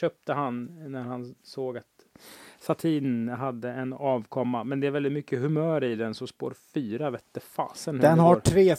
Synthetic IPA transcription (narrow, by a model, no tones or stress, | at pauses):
œːp̚t̪əɦannæɾhansoːɡat̪sat̪ʰiːnɦad̪ːəɛnɑːvkʰɔmːamɛnd̪ɛːɾvɛld̪ɪt̪mʏkʰːəhɵmœːɾɪd̪ɛnsɔmspo̰ːɾfyːɾavɛːt̪̚d̪ɛfɑ̰ːsənhd̪ɛnhaɾʈʰɾeː